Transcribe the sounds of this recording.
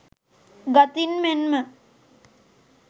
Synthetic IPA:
ɡat̪inmenmə

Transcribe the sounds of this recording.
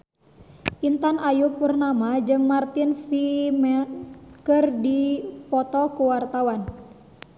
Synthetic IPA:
ʔint̪anʔajupurnamad͡ʒɨŋmart̪ɪnfimɛnkɨrdipɔt̪ɔkuwart̪awan

